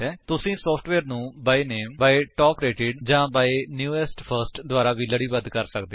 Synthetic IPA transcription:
ɛːt̪ʊsĩːsɔːpʰʈʋɛːɾnũːbaːeneːmbaːeʈɔːkɾeːʈɪɖd͡ʒãːbaːenjuːɛːsʈpʰəɾsʈd̪ʊaːɾaːʋiːləɽiːbəd̪kəɾsəkd̪e

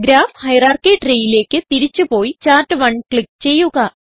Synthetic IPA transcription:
ɡɾaːfhɐjraːrkeːʈrejile̞ːkʲːɨt̪iɾit͡ɕːupo̞ːjit͡ɕaːrʈːɨʋɐɳkɭik̚t͡ɕe̞jːuɣɐ

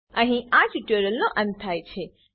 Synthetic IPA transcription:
ə̃ɦĩad͡ʒiʈəɾəlnõʔə̃nt̪ʰːajt͡ʃʰe

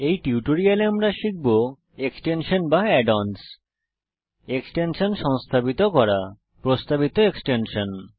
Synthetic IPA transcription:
ejʈiuʈoɾialeamɾaʃik̚bo | eksʈenʃonbaɛɖons | eksʈenʃonʃɔŋst̪ʰabit̪okɔɾa | pɾost̪abit̪oeksʈenʃon

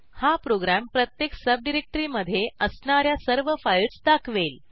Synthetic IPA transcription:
hapɾoɡɾæmpɾət̪jeksəb̚ɖiɾek̚ʈɾiːməd̪ʱːjeəsɳaɾjasəɾʋəfaiɭt͡sd̪akʰʋel

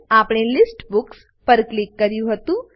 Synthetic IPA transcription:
aːpɳelɪsʈbʊks | pɐɾklɪkːɐɾjũɦɐt̪ũ

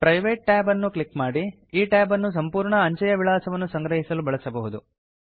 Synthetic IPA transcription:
pɾɐjʋeːʈ̚ʈaːbɐnːukɭikmaːɽi | iːʈaːbɐnːus̬ɐmpuːɾɳɐːɲt͡ʃɐjɐʋiɭaːsɐʋɐnːusɐŋɡɾɐɦisɐlubɐɭɐsɐbɐɦud̪u

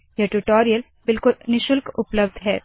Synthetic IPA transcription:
jeʈuʈoːɾijəl | bɪlkʊlnɪʃʊlkʊpləbd̪ʱɦɛː

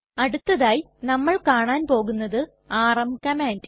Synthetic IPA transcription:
ɐɽut̪ːɐðaːji | nɐmːɐɭkaːɳaːnpo̞ːɣunːɐðɨ | aːrɐmkɐmaːnd

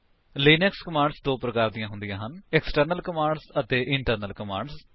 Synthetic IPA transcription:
liːnekskəmaːɳɖsd̪oːpɾəkaːɾd̪ijãːɦʊ̃nd̪ijãːɦənɪksʈəɾnəlkəmãːɳɖsət̪eːʔɪɳʈəɾnəlkəmaːɳɖs

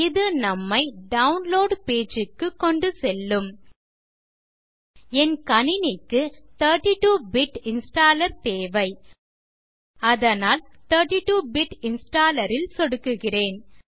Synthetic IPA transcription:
ɪðɯnɐmːɐɪɖɐʊnloːɖpeːd͡ʒɯkːɯkːɔɳɖɯsɛlːɯm | ɛnkɐɳɪnɪkːɯt̪ɐɾʈiʈuːbɪʈɪnsʈaːlɐɾt̪eːʋɐɪ | ɐðɐnaːlt̪ɐɾʈiʈuːbɪʈɪnsʈaːlɐɾɪlsɔɽɯkːɯɣɪreːn

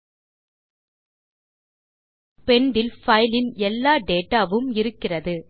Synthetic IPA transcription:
pɛɳɖɪlfɐɪlɪnɛlːaːɖeːʈaːʋɯmɪɾɯkːɪrɐðɯ

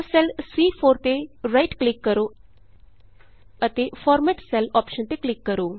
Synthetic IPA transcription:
sɛlswiːfʰoːɾt̪eɾajʈklɪkːəɾo | ət̪efɔːɾmɛʈsɛlɔːpʃənt̪eklɪkːəɾoː

